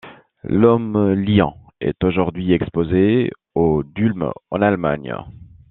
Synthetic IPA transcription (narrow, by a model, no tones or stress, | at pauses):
lɔmljɑ̰̃ | ɛ̰t̪oʒuʁd̪ɥiɛkspoze | od̪ylmɑ̰̃nalma̰ɲ